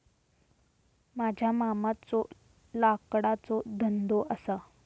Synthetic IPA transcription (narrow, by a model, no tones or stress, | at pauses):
mad͡ʑʱjamamat͡so | lakɽat͡sɔd̪ʱənd̪oʔəsa